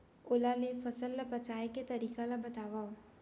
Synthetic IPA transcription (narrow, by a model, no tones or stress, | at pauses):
ʊlalefəsəlːəpɐt͡ʃaːeket̪ɐɾiːkalãbət̪aːʋaːo